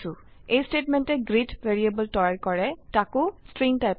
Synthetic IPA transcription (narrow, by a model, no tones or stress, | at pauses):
ʊ | ejstetmɛntɛɡɹitveɹiebəltɔɹaɹkɔɹɛtakʊstɹiŋtajp